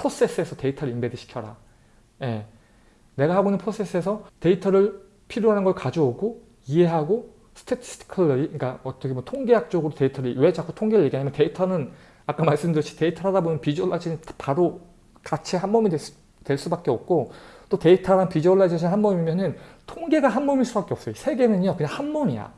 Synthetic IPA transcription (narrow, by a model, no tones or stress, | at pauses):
pʰos͈e̞s͈ɯe̞sʰʌte̞itʰʌɾɯimbediɕʰi̥kʰjʌɾa̰ | je̞ | ne̞ɡahabonɯnpʰos͈e̞s͈ɯe̞sʰʌte̞itʰʌɾɯɭ | pʰiɾjoɦanɯnɡʌɭkad͡ʑooɡo | ie̞ɦaɡo | sʰɯ̥tʰetʰi̥stʰi̥kʰɯɭːʌɾiik͈aʌt͈ʌkʰemwʌtʰoŋɡe̞jak̚t͡ɕ͈oɡɯɾote̞itʰʌɾiwe̞d͡ʑak͈ʰːo̥tʰoŋɡeɾɯɭje̞ɡiaɲimʌnte̞itʰʌnɯn | ak͈amaɭs͈ɯmdɯɕ͈ʰi̥te̞itʰʌɾɦadabonɯnpid͡ʑʌɭːad͡ʑʰiipaɾo | kat͡ɕʰihanmʌmide | twe̞ɭs͈ubak͈eʌp̚k͈ot͈ote̞itʰaɾanpid͡ʑʌɭːad͡ʑʰiɕʰinhanmʌmimjʌnɯntʰoŋɡe̞ɡaɦanmʌmiɭs͈ubak͈e̞ʌp̚s͈ʌoisʰe̞ɡe̞nɯɲokɯɲaŋhanmʌmija̰